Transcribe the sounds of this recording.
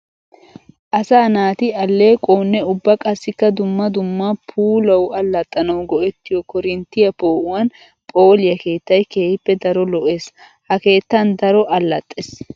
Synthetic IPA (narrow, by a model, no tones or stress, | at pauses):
ʔɐsaːnaːt̪ɪɐlːe̞ːkʼoːnːɛʊbːɐkʼɐsːɪkːɐd̪ʊmːɐd̪ʊmːɐpʰuːlɐwɐlːɐt̪ʼːɐnɐwɡɔʔɛt̪ːɪjɔkɔɾɪnt̪ːɪjɐpoːʔʊwɐn | pʼo̞ːlɪjɐke̞ːt̪ːɐjke̞ːhɪpːɛd̪ɐɾɔlɔʔe̞ːs | hɐke̞ːt̪ːɐnd̪ɐɾɔʔɐlːɐt̪ʼːes